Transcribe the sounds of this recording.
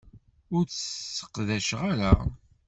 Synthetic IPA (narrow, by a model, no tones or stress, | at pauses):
ʊɾt͡ssə̥qðæʃʁaɾæ